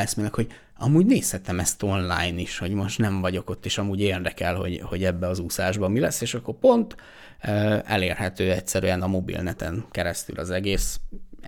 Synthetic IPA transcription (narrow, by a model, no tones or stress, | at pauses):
ɛsmeːlːɛkho̞ɟ | ɒmuːɟneːshɛt̪ɛmɛst̪o̞nla̰ːjniʃho̞ɟmo̞ʃt̪nɛɱvɒɟo̞ko̞t̪ːeːʃɒmuːɟeːrd̪ɛkɛlho̞̰ɟho̞ɟɛbːɛɒzusaːʒbɒmilɛsːeːʃɒkːo̞rpo̞nt̪ | øɛ̰leːrhɛt̪øːɛcsɛɾyɛnɒmo̞bḭlnɛt̪ɛ̰ŋkɛɾɛst̪y̰lɒzɛɡeːs